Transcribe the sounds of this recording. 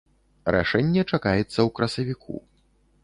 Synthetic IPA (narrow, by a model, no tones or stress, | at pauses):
ɾa̰ʂɛnʲːɛt͡ʂakajɛt̪sːɐwkɾɐsɐvʲikʰṵ